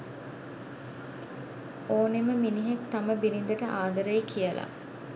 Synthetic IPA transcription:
oːneməminiɦek̚t̪aməbiɾind̪əʈəʔaːd̪əɾəjikʰijəlʔa̰

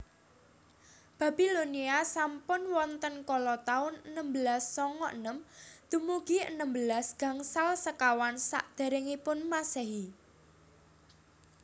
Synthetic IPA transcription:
b̥ä̤b̥i̤loniasampʊnwɔnt̪ənkɔlɔt̪aʊnənəmbəlasːɔŋɔʔənəmd̪̥ṳmuɡ̥iə̰nəmbəlasɡ̥ä̤ŋsalsəkawansa̰ʔd̪̥e̤ɾɪŋipʊnmaseɦi

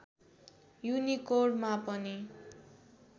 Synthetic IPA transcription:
junikoɖmapʌni

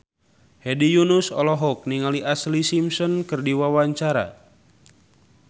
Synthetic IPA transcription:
hedijunusɔlɔɦɔk̚niŋaliʔaslisimsɔnkɨrdiwawaɲt͡ʃaɾa̰

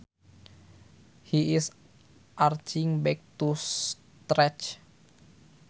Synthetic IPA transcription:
hiis | ʔart͡ʃiŋbɛk̚t̪us | t̪ɾɛt͡ʃ

